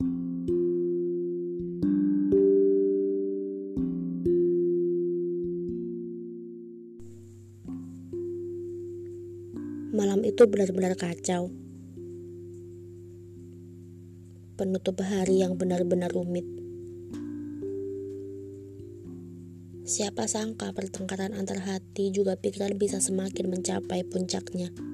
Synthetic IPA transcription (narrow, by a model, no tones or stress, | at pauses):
malamit̪ubənarbənarkat͡ʃaw | pənut̪ʊpɦaɾijaŋbənarbənarumɪt̪̚ | siapasaŋkapərt̪əŋkaɾanant̪aɾɦat̪id͡ʒuɡapikiɾanbisasəmakɪnməɲt͡ʃapajpuɲt͡ʃak̚ɲa